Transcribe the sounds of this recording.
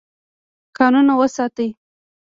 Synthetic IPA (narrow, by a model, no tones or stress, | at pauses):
kɑnunawəsɑt̪əj